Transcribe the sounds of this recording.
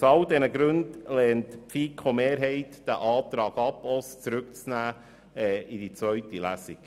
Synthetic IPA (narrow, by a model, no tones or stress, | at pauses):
sɑld̪ɛnəɡɾʉndlɛntpfiːkʰomeːɾɦɛɪtd̥əʔɑːt̪ɾɑːɡɑpost͡sɾʉkt͡snæː | ɛidit͡svœɥtilæsiɡ̥